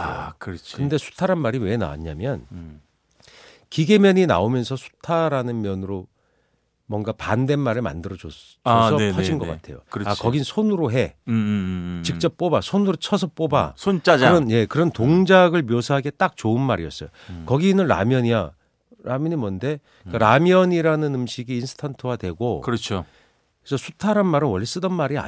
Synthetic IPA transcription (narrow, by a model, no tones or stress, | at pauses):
akɯɾt͡ɕʰkɯnde̞sʰu̥tʰaɾanmaɾiwe̞na̰ɲamjʌn | kiɡe̞mjʌɲina̰omjʌnsʰʌsʰu̥tʰaɾanɯnmjʌnɯɾo | mʌŋɡapande̞nmaɾɯɭma̰ndɯɾʌd͡ʑo | ʌaɕinɡʌk͈a̰tʰe̞̰jo̰kɯakʌɡinɯnsʰonɯɾoɦe̞ | t͡ɕik̚t͡ɕ͈ʌp̚p͈obasʰonɯɾot͡ɕʰʌsʰʌp͈oba̰sʰont͡ɕ͈aɾʌnje̞kɯɾʌntoŋd͡ʑaɡɯɭmjosʰaɦaɡe̞t͈ak̚t͡ɕoɯnmaɾḭʌs͈ʌjokʌɡinɯnɾa̰mjʌɲija̰ | ɾamjʌɲimʌnde̞ | k͈aɾamjʌɲiɾanɯnɯmɕʰiɡiːnsʰɯ̥tʰantʰɯwadwe̞ɡokɯɾʌt͡ɕʰo | kesʰʌsʰutʰaɾanmaɾɯnwʌʎːis͈ɯdʌnmaɾia̰